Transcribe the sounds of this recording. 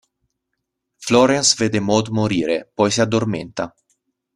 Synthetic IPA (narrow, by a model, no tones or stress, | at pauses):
floɾensved̪emɔd̪moɾiːɾepɔjsead̪ːormḛnt̪a